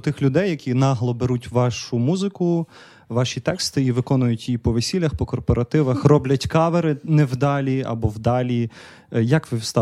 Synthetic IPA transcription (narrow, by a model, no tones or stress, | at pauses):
t̪ɪxlʲʊd̪ɛjːɐkʲʰinɑɦlˠɔbeɾutʲʋɑʃʊmuzɪkʊ | ʋɑʃʲit̪ɛkst̪ɪiʋɪkɔnʊjʊtʲjipɔʋesʲilʲːɐxpɔkɔrpɔɾʔɐt̪ɪʋɐxrɔblʲɐtʲkɑʋeɾɪnɛwd̪ɑlʲiɐ̰bɔwd̪ɑlʲi | jɐkʋɪwst̪ɑ